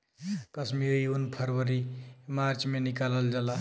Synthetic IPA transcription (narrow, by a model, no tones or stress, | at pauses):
kəsmiɾjunpʰəɾʋəɾimaɾt͡ʃmenikaləld͡ʒala